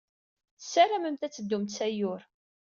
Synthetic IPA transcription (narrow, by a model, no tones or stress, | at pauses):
θsːæɾæməmt̪æt͡sːəd̪ːʊmt̪sæjʊɾ